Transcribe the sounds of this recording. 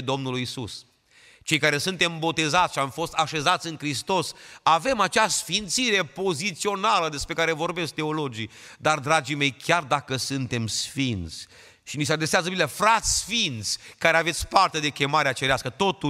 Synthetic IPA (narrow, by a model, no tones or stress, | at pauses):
d̪o̞mnulujisus | t͡ʃe̞jkaɾe̞sunt̪e̞mbo̞t̪e̞zat̪sʲʃiamfo̞st̪aʃe̞zat̪sʲɨŋkɾist̪o̞save̞mat͡ʃasfint̪siɾe̞po̞zit̪sio̞naləd̪e̞spɾe̞kaɾe̞vo̞rbe̞sk̚t̪e̞o̞lo̞d͡ʒid̪ard̪ɾad͡ʒime̞jkʲjard̪akəsɨnt̪e̞msfint̪sʲ | ʃinisead̪ɾeseazəbilefɾat̪sʲsfint̪sʲkaɾeave̞t̪sʲpart̪e̞d̪e̞kʲe̞maɾeat͡ʃeɾeaskət̪o̞t̪u